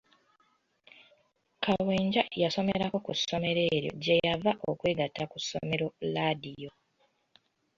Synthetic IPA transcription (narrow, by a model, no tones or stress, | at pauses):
kʰawe̞ːɲɟajaso̞meɾako̞kusːo̞me̞ɾe̞ːɾjo̞̰ɟe̞javaʔokwe̞ːɡatːakusːo̞̰me̞ɾo̞ladijo̞